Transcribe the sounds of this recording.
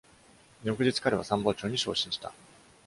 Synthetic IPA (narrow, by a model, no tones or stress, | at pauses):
ɲʲo̞kɯ̟ʑit͡sɨ̥kaɾe̞βasãmbo̞ːt͡ɕo̞ːɲ̟iɕo̞̰ːɕĩɕi̥t̪a̰